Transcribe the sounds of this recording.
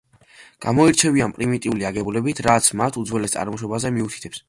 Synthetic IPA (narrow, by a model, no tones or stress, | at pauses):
ɡ̥amɔiɾt͡ʃʰɛvianpʼɾimit̪ʼiuliaɡɛbulɛbit̪ʰɾat̪sʰmat̪ʰud̪zwɛlɛst̪sʼa̰ɾmɔʃɔbazɛmiut̪ʰi̥t̪ʰɛps